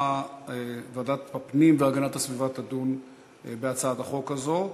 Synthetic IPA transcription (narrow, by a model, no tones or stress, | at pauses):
aevad̪at̪bapnimveaɡanat̪asvivat̪ad̪un | beat͡saad̪aχo̞kazo